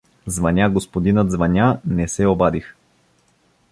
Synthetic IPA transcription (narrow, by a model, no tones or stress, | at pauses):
zvɐnʲaɡospod̪inət̪zvɐnʲanɛsɛobad̪ix